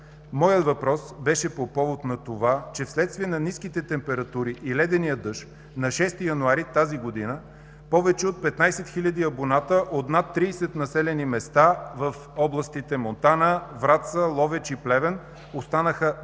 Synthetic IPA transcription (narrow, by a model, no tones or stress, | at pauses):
mɔjət̪vɐpɾɔsbɛʃɛpopɔvot̪nɐt̪ovat͡ʃɛfslɛt̪st̪viɛnɐniskit̪ɛt̪ɛmpɛɾɐt̪uɾiʔilɛd̪ɛnijəd̪ɤʃ | nɐʃɛst̪ijɐnuaɾit̪aziɡod̪inə | pɔvɛt͡ʃɛot̪̚pɛt̪najsɛt̪xilʲɐd̪iɐbonat̪əʔot̪nat̪ːɾiːsɛt̪nɐsɛlɛnimɛst̪avəf | ɔblˠɐst̪it̪ɛmont̪anəvɾat̪səlˠɔvɛt͡ʃiplɛvɛn | ost̪anəxə